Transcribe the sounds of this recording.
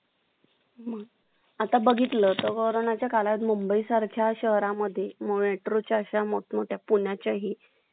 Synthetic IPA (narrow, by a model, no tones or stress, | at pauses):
mə | at̪abəɡʱit̪lət̪əɾkəɾonat͡ɕjakalat̪mumbəisaɾkʰjaɕəɦɾaməd̪ʱːjemoɭeʈɾut͡ɕaəɕamoʈmoʈʰjapuɳjat͡ɕaɦiː